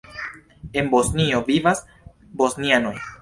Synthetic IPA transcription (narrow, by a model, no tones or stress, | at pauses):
e̞nbo̞snio̞vivas | bo̞sniano̞j